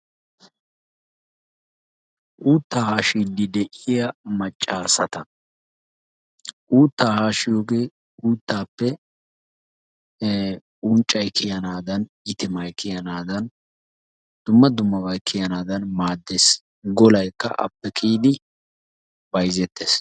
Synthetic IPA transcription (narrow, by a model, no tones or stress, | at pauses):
ʔuːt̪ːaːhaːʃiːd̪ɪd̪ɛʔɪjɐmɐt͡ʃʼːaːsɐt̪ɐ | ʔuːt̪ːaːhaːʃɪjoːɡeː | uːt̪ːaːpːɛ | ʊnt͡ʃʼːɐjkɪjɐnaːd̪ɐn | ɪt̪ɪmɐjkʰɪjɐnaːd̪ɐn | d̪̥ʊmːɐd̪ʊmːɐbɐjkʰːɪjɐnaːd̪ɐnmaːd̪ːeːs | ɡɔlɐjkːɐ̰ʔɐ̰pːɛkʼiːd̪ɪ | bɐjzɛt̪ːeːs